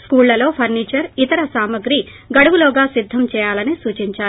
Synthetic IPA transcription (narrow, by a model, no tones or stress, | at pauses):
skuːlːɐlo̞ːpʰɐɾniːt͡ʃɐɾit̪ɐɾɐsaːmɐɡɾi | ɡɐɽɐʋulɔːɡaːsid̪ʱːɐmt͡ʃɛːjaːlɐnisuːt͡ʃiɲt͡ʃaːɾu